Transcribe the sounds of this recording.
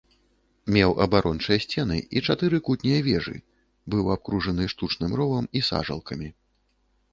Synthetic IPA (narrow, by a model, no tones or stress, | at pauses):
mʲɛwʔɐ̰baɾɔnt͡ʂɐjɐsʲt͡sʲɛn̪ɨ̰it͡ʂat̪ɨɾɨkut̪ʲnʲɛjɐvʲɛʐɨ̰ | bɨwap̚kɾuʐɐnɨʂt̪ut͡ʂnɨmrɔvɐmisa̰ʐɐ̰lˠkɐmʲi